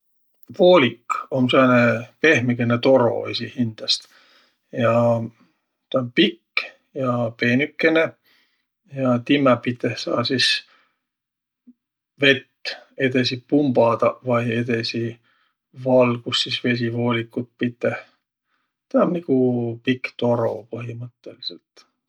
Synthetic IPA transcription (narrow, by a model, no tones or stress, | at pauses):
vo̞ːlʲikːonseːnepe̞hmikenet̪o̞ɾo̞̰ḛsihind̪̥ɑst̪ | jɑ | t̪ɑonpikː | jɑpe̞nykːene | jɑt̪imɛpit̪ːˑehsɑːsis | ve̞t̪ːe̞d̪es̬ipumb̥ɑd̪̥ɑvɑjed̪esi | vɑlɡusːisve̞s̬ivo̞ːlʲikːˑut̪̚pit̪ːˑeh | t̪ɑonnikupikːt̪o̞ɾo̞pɤɦimɤt̪ˑːe̞liselt̪